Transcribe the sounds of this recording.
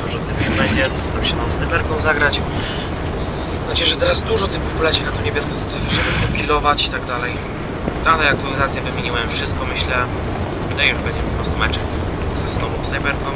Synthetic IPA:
d̪uʐɔt̪ɪmʲɛbɛɲd͡ʑɛɔst̪aɾamɕɛt̪ɔ̃w̃snajbɛɾkɔ̃w̃zaɡɾat͡ɕ | nat͡ɕɛʐɛt̪ɛɾazd̪uʐɔt̪ɪmpɔpulɛt͡ɕɛnat̪ɔɲebʲjɛskɔ̃st̪ɾɛfʲɛʐɛbɛɲd͡ʑɛkʲilɔvat͡ɕit̪aɡd̪alɛj | t̪at̪ɛjakt̪ualʲizat̪sʲjɛvɘmʲjeɲiwɛmfʂɘst̪̚kɔmɘɕlɛ | ut̪ajjuʐbɛɲd͡ʑɛpɔpɾɔst̪umɛt͡ʂɛ | zɛst̪ɔmɔmsnajbɛɾkɔ̃

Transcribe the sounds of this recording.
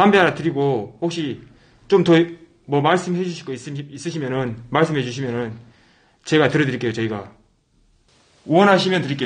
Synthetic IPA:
ambeaɾatɯɾiɡohok̚ɕ͈i | t͡ɕ͈omtʌ | mwʌmaɭs͈ɯmhe̞d͡ʑuɕʰiɡois͈is͈ɯɕʰimjʌnɯnmaɭs͈ɯmɦe̞d͡ʑuɕʰimjʌnɯn | t͡ɕe̞ɡatɯɾʌdɯɾik͈e̞jot͡ɕʌiɡa | wʌnɦaɕ̬ʰimjʌntɯɾik͈e

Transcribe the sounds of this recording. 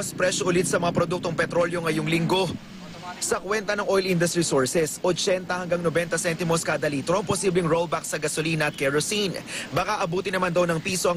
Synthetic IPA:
ɐspɾɛʃoʔʊlɪt̪̚sɐmɐŋapɾod̪uk̚t̪oŋpɛt̪ɾo̞ljo̞ŋɐjoŋlɪŋɡo̞ | sɐkwɛnt̪ɐnɐŋʔo̞jlʔɪnd̪ɐst̪ɾisoɹsɛsʔot͡ʃɛnt̪ɐhɐŋɡaŋnobɛnt̪ɐsɛnt̪ɪmoskɐd̪ɐliːt̪ɾoʔɐŋposiblɪŋɹolbak̚sɐɡɐsoliːnɐʔɐt̪̚kɛɹosinbɐkaʔɐbuːt̪ɪnɐmand̪ɐwnɐŋpiːso̞ʔɐ

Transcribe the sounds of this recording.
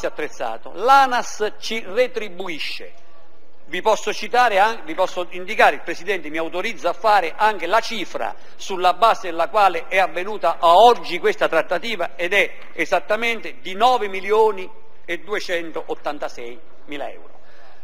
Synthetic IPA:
iat̪ːɾet̪sːa̰ːt̪o̰laːnast͡ʃiret̪ɾibːuiʃːḛ | vipɔsːot͡ʃit̪aːɾɪavipɔsːoind̪ikaːɾɪilpɾɛsid̪ɛnt̪ɪmiawt̪oɾid̪zːafːaːɾɪʔaŋk̟ɪlat͡ʃiːfɾa̰ | sulːabːaːzɪd̪lːakwaːlɪʔɛavːenuːt̪aʔaɔd͡ʒːikwest̪at̪ɾat̪ːat̪iːvaɛd̪ɛ | ɛzat̪ːament̪ɪd̪inɔːvɪmiljoːni | ed̪ːuet͡ʃɛnt̪oʔot̪ːant̪asɛj | miːla̰ɛ̰wɾo̰

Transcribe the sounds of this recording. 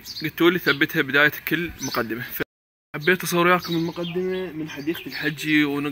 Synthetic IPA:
ɡat̪ːuːliθabːɪt̪habɪd̪aːjakɪlːmʊqad̪ːɪmafa | ħabːeːt̪ːɑsˤɑwɾʊjaːkʊmɪlmʊqad̪ːɪmamɪnħad̪iːq̪ɪlħad͡ʒːiwnɪ

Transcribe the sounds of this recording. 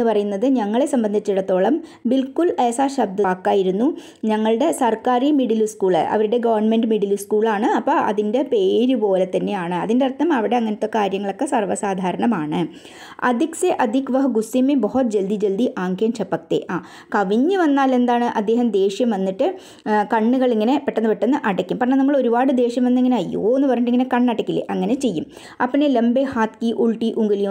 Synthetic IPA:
ɨpɐrɐjunːɐðɨɲɐŋːɐɭe̞sɐmbɐnd̪ʱit͡ɕːiɽɐt̪ːo̞ːɭɐmbilkuleːsaːɕɐb̚d̪ɐːkːaːjiɾunːu | ɲɐŋːɐɭɨɽe̞sɐrkaːɾimiɽiluskuːɭɨ̰ɐ̰ʋɐɾuɽe̞ɡɐʋɐrɳmenɖɨmiɽiluskuːɭaːɳɨɐpːɐɐ̰ðinde̞pe̞ːɾupo̞ːle̞t̪ːɐnːe̞jaːɳɨɐ̰ðindeɐrt̪ːɐmɐʋiɽe̞ɐŋːɐnɐt̪ːokːekaːɾjɐŋːɐɭo̞kːe̞sɐrʋɐsaːd̪ʱaːɾɐɳɐmaːɳɨ | ɐ̰d̪ʱikseʔɐd̪ʱikʋɐɦɡusimeboɦɐt̪d͡ʑeld̪id͡ʑeld̪iʔaːŋkjemt͡ɕʰɐpːɐk̚t̪ḛʔaː | kɐʋiɲːɨʋɐnːaːle̞nd̪aːɳɨʔɐd̪ːe̞ːɦɐmd̪e̞ːʂjɐmʋɐnːiʈːɨ | kɐɳːuɣɐɭiŋːɐne̞peʈːɐnːɨpeʈːɐnːɨʔɐɽɐkʲːumpɐrɐɳenɐmːɐɭo̞ɾubaːɽɨd̪e̞ːʂjɐmʋɐnːeiŋːɐneɐjːo̰ːenːɨpɐrɐɲːuʈ̬ːiŋːɐnekɐɳːɐɽɐkʲːilːḛʔɐŋːɐnet͡ɕe̞jːum | ɐpːinelembehaːt̪kiʔuɭʈiʔuŋɡiliju

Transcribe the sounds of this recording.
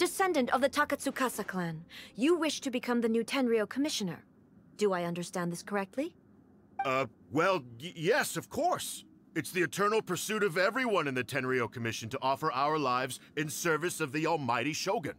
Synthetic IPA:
d̥ɨsɛ̃ndɨ̃ntʌvðɨtʰɑkɨtsukʰasəkʰlæ̃njɨwɪʃtʰɨbɨkʰʌ̃mðɨnʉtʰɛ̃nɹioʊkʰəmɪʃɨnə̰˞ | d̥ɨaɪʌ̃ndə˞stæ̃nðɪskʰə˞ɛk̚tʰˡli | ʌ | wɛlˠjɛsʌv̥kʰɔɹs | ɨtsðiɨtʰɜ̃˞nl̩ˠpʰə˞sʉɾʌvɛvɹiwʌ̃nɨ̃nðɨtʰɛ̃nɹioʊkʰɨmɪʃɨ̃n̩tʰəʔɔfə˞ʔaʊə˞laɪvzɨ̃nsɜ˞vɨsʌvðiɔlˠmaɪɾiʃoʊɡɨ̃n

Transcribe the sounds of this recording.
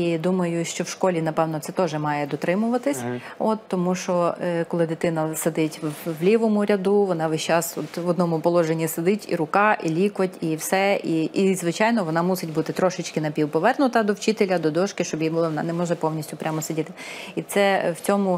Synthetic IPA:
id̪umɐjʊʃt͡ʃɔwʃkɔlʲinɐpɛwnɔt̪ɛt̪ɔʒɛmɑjɛd̪ɔt̪ɾɪmʊʋɐt̪ɪsʲ | ɔt̪ːɔmuʃɔkɔlˠɪd̪ɪt̪ɪnɐsed̪ɪtʲʋlʲiʋɔmʊɾʲɐd̪uʋɔnɑʋɪʃt͡ʃɑsɔt̪ʋɔd̪nɔmʊpɔlˠɔʒenʲːised̪ɪtʲḭɾʊkɑʔilʲikʋɐtʲiwsɛiʔizʋɪt͡ʃɑjnɔʋɔnɑmusɪtʲbut̪ɪt̪ɾɔʃɪt͡ʃʲkɪnɐpʲiwpɔʋɛrnʊt̪ɐd̪ɔwt͡ʃɪt̪elʲɐd̪ɔd̪ɔʃkɪʃt͡ʃɔbjibʊlˠɔɔnɑ̰nɛmɔʒɛpɔwnʲisʲtʲʊpɾʲʔamɔsɪdʲit̪ɪit̪sɛwt͡sʲɔmʊ

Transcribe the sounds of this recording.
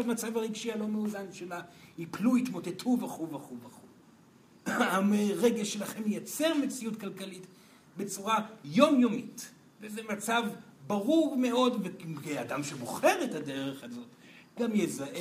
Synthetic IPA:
amat͡savaʁiɡʃialo̞meudanʃelaipluit̪mo̞te̞tʰuvaχuvaχuvaχuv | aʁeɡelʃelaχe̞mejat͡se̞ʁmet͡siutkalkalit | bet͡suʁajo̞mjomit | vezemat͡savbaʁuʁme̞o̞dveadamʃe̞boχe̞ʁetade̞ʁeχazo̞t | ɡamjezaʔe

